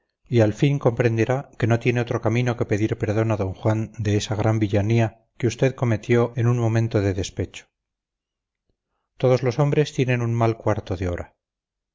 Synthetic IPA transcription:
ialfiŋko̞mpɾe̞nd̪e̞ɾake̞no̞t̪je̞ne̞o̞t̪ɾo̞kamĩno̞ke̞pe̞ðiɾpe̞ɾð̞o̞naðo̞ŋxwand̪e̞esaɣ̞ɾʔambiʎania | keust̪e̞ðko̞me̞t̪jo̞e̞nunmõ̞mẽ̞nt̪o̞ðe̞ðe̞spe̞t͡ʃo̥ | t̪o̞ð̞o̞zlo̞so̞mbɾe̞st̪je̞nẽ̞nunmalkwaɾt̪o̞ðeo̞ɾa

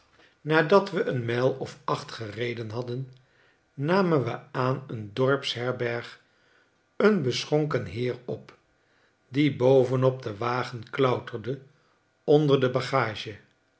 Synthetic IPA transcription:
naːdɑtʋəʔənmɛlˠɔfɑχtχərejdənɦɑdənː | aːmənʋəaːnəndɔɹpsɦɛɹbɛɹχ | ənbəsχɔŋkənɦɪːɹɔp | dibowvənɔp̚dəʋaːχənklœwtərdə | ɔndəɹdəbaχaːʒə

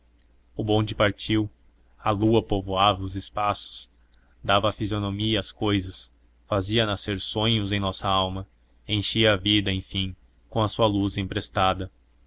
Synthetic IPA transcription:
ʊbõd͡ʒɪpaɾt͡ʃiw | ɐluɐpovoavɐʊzɪspasʊ̥s | d̪avɐafizionomiɐːskojzɐs | faziɐnaseɾsõɲʊzẽj̃nɔsɐawmɐ | ẽj̃ʃiɐːvid̪ɐẽj̃fĩ | kõɐsuɐluzẽpɾest̪ad̪ɐ

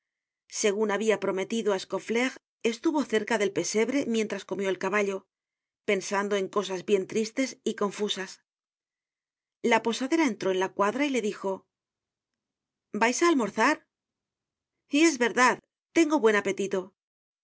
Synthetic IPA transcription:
se̞ɣ̞unaβiapɾo̞me̞t̪iðoaesko̞fle̞ɣ | e̞st̪uβo̞θe̞ɾkaðe̞lpe̞se̞βɾe̞mje̞nt̪ɾasko̞mjo̞elkaβaʎo̞ | pe̞nsand̪o̞e̞ŋko̞s̬azβje̞nt̪ɾist̪e̞siko̞ɱfusas | lapo̞saðe̞ɾae̞nt̪ɾo̞e̞nlakwaðɾaile̞ðixo̞ | bajsaːlmo̞ɾθaɾ | ie̞zβe̞ɾðað | t̪e̞ŋɡo̞βwe̞nape̞t̪it̪o̞

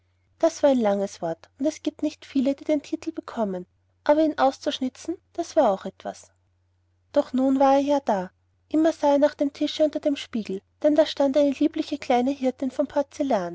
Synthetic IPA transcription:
d̥asv̥aːɐɛɪnlaŋəsv̥ɔɐtʊntɛsɡ̥iːp̚tnɪçtfiːlədiːdeːntʰiːtʰl̩b̥əkʰɔmən | ʔaːbɐiːnʔaʊst͡suʃnɪt͡sn̩d̥asv̥aːɐaʊxɛtv̥a̰s | d̥ɔχnuːnvaːɐeːɐjaːd̥aː | ʔɪmɐzaːeːɐnaːχd̥eːmtʰɪʃəʊntɐd̥eːmʃpiːɡl̩d̥ɛndaːʃtantaɪnəliːplɪçəkl̥aɪnəɦɪɐtɪnfɔmpʰaɐt͡selaːn

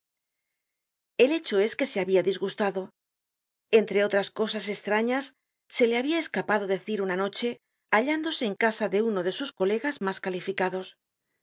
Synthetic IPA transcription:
e̞le̞t͡ʃo̞e̞ske̞se̞aβiaðizɣust̪aðo̞ | e̞nt̪ɾe̞o̞t̪ɾasko̞sase̞st̪ɾaɲasː | e̞le̞aβiae̞skapaðo̞ðe̞θiɾunano̞t͡ʃe̞ | aʎand̪o̞se̞ːŋkasaðe̞uno̞ðe̞susko̞le̞ɣazmaskalifikaðo̞s

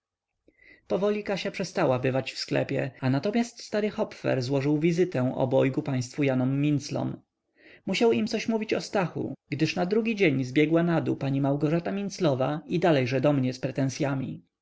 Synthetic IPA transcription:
pɔvɔlʲikaɕapʂɛst̪awabɘvat͡ɕfsklɛ̰pʲjɛanat̪ɔmʲjast̪st̪aɾɘxɔpfɛ̰ɾzwɔʐɘwvʲizɘt̪ɛ̃ʔɔ̰bɔjɡupaj̃st̪fujanɔmːʲint̪slɔ̰m | muɕawimt̪sɔɕmuvʲit͡ɕɔst̪axṵɡd̪ɘʂnad̪ɾuɡʲid͡ʑeɲzbʲjɛɡwanad̪upaɲimawɡɔʐat̪amʲint̪slɔvaid̪alɛjʐɛd̪ɔmɲɛspɾɛt̪ɛ̃ñsʲjamʲḭ

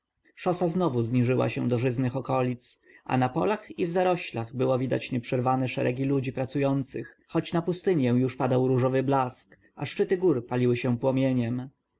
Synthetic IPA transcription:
ʂɔsaznɔvuzɲiʐɘwa̰ɕɛ̰̃d̪ɔʐɘznɘxɔkɔlʲit̪sʔa̰napɔ̰laxivzaɾɔɕlaɣbɘwɔvʲid̪a̰t͡ɕɲɛpʂɛɾvanɛʂɛɾʔɛ̰ɡʲilud͡ʑipɾat̪sujɔnt̪sɘx | xɔt͡ɕnapust̪ɘɲɛ̃juʂpad̪awɾuʐɔvɘblask | ʔa̰ʂt͡ʂɘt̪ɘɡuɾpalʲiwɘɕɛ̃pwɔmʲjeɲɛm

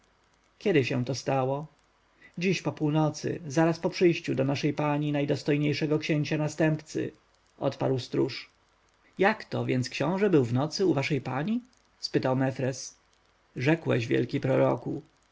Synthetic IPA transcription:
kʲɛd̪ɘɕɛ̃w̃t̪ɔst̪awɔ | d͡ʑiɕpɔpuwnɔt̪sɘ̰zaɾaspɔpʂɘjɕt͡ɕud̪ɔnaʂɛjpaɲinajd̪ɔst̪ɔjɲejʂɛɡɔkɕeɲt͡ɕanast̪ɛmpt̪sɘ̰ | ʔɔ̰t̪pa̰ɾwst̪ɾṵʂ | jakt̪ɔvʲjɛnskɕɔ̃w̃ʐɛbɘwvnɔt̪sɘuvaʂɛjpaɲi | spɘt̪awmɛfɾɛs | ʐɛkwɛ̰ɕvʲjɛ̰lkʲipɾɔɾɔ̰ku

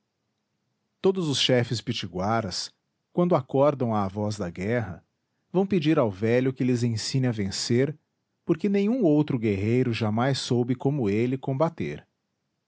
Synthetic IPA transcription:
t̪od̪ʊzʊsʃɛfɪspit͡ʃiɡwaɾɐs | kwɐ̃nd̪ʊakɔɾd̪ɐ̃w̃ɐːvɔzd̪ɐɡɛɦɐ̰ | vɐ̃w̃ped͡ʒiɾawvɛʎʊkɪlɪzẽsĩnɪɐvẽseɾ | poɾkɪnẽj̃ũowt̪ɾʊɡeɦejɾʊʒamajsːowbɪkõmʊelɪkõbat̪ḛɾ

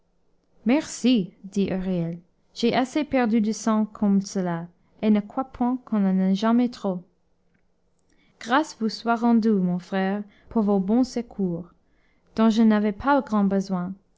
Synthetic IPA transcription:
mɛʁsid̪iʔøʁjɛl | ʒ̥ɛʔasepɛʁd̪yd̪əsɑ̃kʰɔmsəla | enəkwapʰwɛ̃kʰɔ̃nanɛʒamɛt̪χo | ɡ̥ʁasvuswaʁɑ̃d̪ymɔ̃fχɛːʁ | pʰuʁvobɔ̃səkʰuːʁ | d̪̥ɔ̃ʒənavɛpʰaləɡʁɑ̃bəzwɛ̃

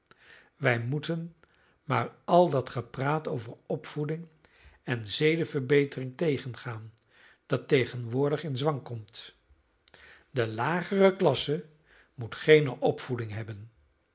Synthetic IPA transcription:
ʋɛjmutən | maːɹʔɑlˠdɑtχəpraːtowvəɹɔpfudɪŋ | ɛnzejdəvəɹbejtərɪŋtejχənχaːn | d̥ɑtejχənʋʊːɹdəχɪnzʋɑŋkɔmt | dəlaːχərəklɑsə | mutχejnəʔɔpfudɪŋɦɛbən

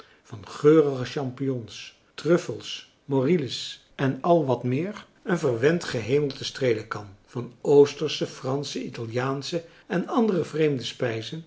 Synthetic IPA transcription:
v̥ɑnχøːrəχəʃɑmpijɔns | trɵfəlˠs | moriləs | ɛnɑlˠʋɑtmɪːɹ | ənvəɹʋɛntχəɦejməl̩ˠtəstrejləkɑnv̥ɑnowstəɹsəfrɑnsəitɑlˠjaːnsə | ɛnɑndərəvrejmdəspɛjzən

